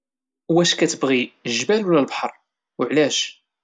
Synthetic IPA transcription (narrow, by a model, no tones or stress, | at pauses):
wæʃkæt͡səbʁiʒbælulælbħə̰ɾˤ | ʊʕlæʃ